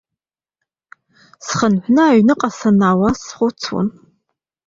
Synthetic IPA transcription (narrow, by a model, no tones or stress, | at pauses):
sχənħʷnɨaːɥnɨqʼɐsɐnaːwɐsχʷʊt͡sʰwʊ̰n